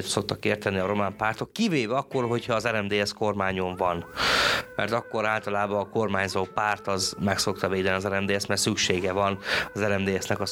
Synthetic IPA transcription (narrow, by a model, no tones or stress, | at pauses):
t̪so̞k̚t̪ɒkeːrt̪ɛniɒɾo̞maːmpaːrt̪o̞kːiveːvɛɒkːo̞rɦo̞cʰhɒːzɛɾɛmd̪eːɛsko̞rmaːɲo̞ɱvɒnmɛ̰rt̪ɒkːo̞ɾaːlt̪ɒlaːbɒːko̞rmaːɲzoːpaːrt̪ɒzmɛkso̞kt̪ɒveːd̪ɛniɒzɛɾɛmd̪eːɛst̪mɛrsykʃeːɡɛvɒnɒzɛɾɛmd̪eːɛsnɛkɒ